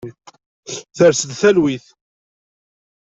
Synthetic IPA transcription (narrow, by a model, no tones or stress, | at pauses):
θəɾsəd̪θælwiθ